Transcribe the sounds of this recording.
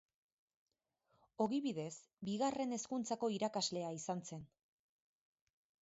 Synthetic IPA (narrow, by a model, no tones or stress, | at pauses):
o̞ɣiβiðe̞s | biɣare̞ne̞skunt͡sako̞iɾakazle̞aisanse̞n